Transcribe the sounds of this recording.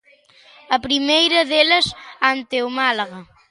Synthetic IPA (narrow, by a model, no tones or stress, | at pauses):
ɐpɾimejɾɐðelɐsant̪ewmalaɣɐ